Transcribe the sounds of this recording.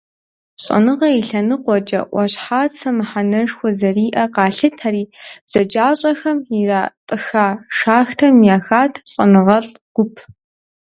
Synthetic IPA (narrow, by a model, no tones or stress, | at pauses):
ɕʼɐ̰nɨʁɐiɬɐnɨqʷɔd͡ʒɐ̰ʔʷɔɕħaːt͡sʰɐmɨħanɐʂxʷɔzɐriːʔɐqɑːɬɨtʰaːɾiːz̥ɐd͡ʒaːɕʼɐxɐmiraːtʼɨxaːʂaːxtʰɐmjaːxaːtʰɕʼɐ̰nɨʁɐɮɡ̥ʷʊpʰ